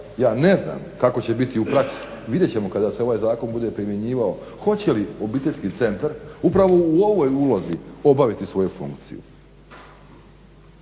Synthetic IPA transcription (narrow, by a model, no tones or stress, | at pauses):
jaːne̞zna̰mkako̞t͡ɕe̞bit̪iupɾaksi̥ | ʋid̪jet͡ɕe̞mo̞kad̪aseo̞ʋaːjzaːko̞nbud̪e̞pɾimje̞ɲiːʋao̞ | xo̞t͡ɕe̞lio̞biːt̪e̞ʎʲskit̪se̞nt̪aɾupɾaʋo̞uo̞ʋojulozio̞baʋit̪isʋo̞jufṵŋkt̪sḭjṵ